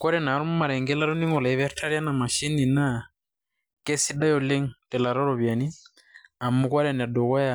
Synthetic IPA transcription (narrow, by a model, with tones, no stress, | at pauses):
ka˦ɾɛ˨na˨ɾɔ˦mu˦ma˨ɾɛ˨ŋɡɛ˦la˦ɾo˦ni˦mɔ˨la˨i˦βɛ˦ɾtʰa˦ɾja˦na˨ma˨ʃi˦ni˨na˦ | ke˦si˦da˦jɔ˨le˦ŋtɛ˨la˨ɾɔ˦ɾɔ˨βja˨ni˦ | a˨mu˨kwa˦ɾɛ˨n˨a˨do˨ka˦ja˨